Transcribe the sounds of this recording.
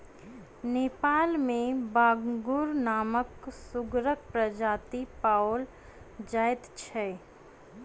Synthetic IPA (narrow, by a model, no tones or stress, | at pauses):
neːpaːlmẽbaːɡɡʊɾnaːməksʊɡɾək̚pɾəd͡ʒaːt̪ipaːol | d͡ʒaːɪt̪t͡ʃʰɛ